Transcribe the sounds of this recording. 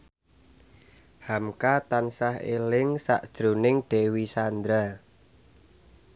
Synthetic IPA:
hamkat̪ansahḛlɪŋsa̰ʔʒ̥ɾunɪŋɖ̥e̤wisand̪ɾa

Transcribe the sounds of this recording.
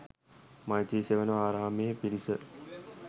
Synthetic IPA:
majtiːseʋənəaːɾaːmejəpilisə

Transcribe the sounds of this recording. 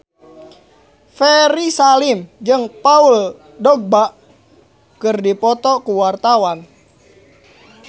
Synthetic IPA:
fɛɾisalimd͡ʒɨŋpaul | dɔɡ̚baʔ | kɨrdipɔt̪ɔkuwart̪awan

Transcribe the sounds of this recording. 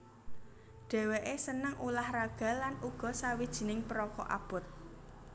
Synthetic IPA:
ɖ̥ɛ̤weʔesənəŋʔulahraɡ̥a̤lanuɡ̥ɔ̤sawid̥ʒ̥i̤nɪŋpəɾɔkɔ̰ʔa̰b̥ʊ̤t̪̚

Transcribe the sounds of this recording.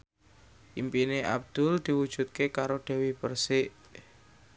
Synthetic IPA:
ʔimpineʔa̰b̚d̪̥ʊ̤ld̪̥i̤wud̥ʒ̥ṳt̪̚kekaɾoɖ̪̥ɛ̤wipərsɪʔ

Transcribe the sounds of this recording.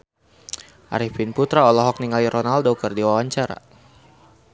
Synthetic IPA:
ʔa̰ɾifinput̪ɾaɔlɔɦɔk̚niŋaliɾʔɔnaldɔkərdiwawaɲt͡ʃaɾa̰

